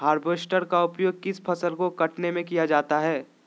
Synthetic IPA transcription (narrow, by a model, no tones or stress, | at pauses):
ɦaːɾbeːsʈəɾkaʊpjoːɡ̚kɪspʰɐsəlkokɐʈnemẽkijad͡ʒaːt̪aɦɛː